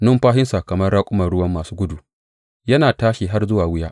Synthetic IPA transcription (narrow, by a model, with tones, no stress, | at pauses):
nʊ˦mɸaː˦hɪ˦nsa˨kɐ˨mɐ˦rɽaː˦kʷʼʊ˦mɐ˨rɽʊ˦wɐ˦mːaː˨suː˦ɡʷʊ˦du˨ | jɐ˦naː˨taː˦ʃiː˨ɦa˦rzʊ˦waː˨wʊ˦jaː˦ʔ